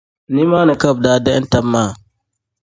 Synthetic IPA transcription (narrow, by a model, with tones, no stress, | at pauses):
ni˦maː˦nə˨ka˦˨b̚daː˦dɛ˦ʔn˦ta˦mːaː˦˨